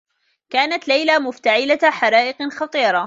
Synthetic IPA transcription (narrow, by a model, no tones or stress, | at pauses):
kaːnat̪lajlamʊft̪aʕɪlaħɑɾˤɑːʔɪqxɑt̪ˤiːɾˤɑ